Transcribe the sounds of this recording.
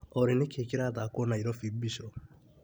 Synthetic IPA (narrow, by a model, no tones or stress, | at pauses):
ɔɾinɪkekiɾat̪akonaiɾɔfibiʃɔ